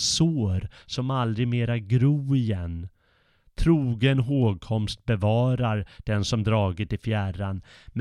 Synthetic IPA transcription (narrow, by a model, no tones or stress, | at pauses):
soːɾsɔmald̪ɾɪɡmeːɾaɡɾuːɪjɛn | t̪ʰɾuːɡənɦoːɡ̚kʰɔmst̪̚bɛvɑːɾaɾd̪̥ɛnsɔmd̪ɾɑːɡɪt̪ɪfjæranm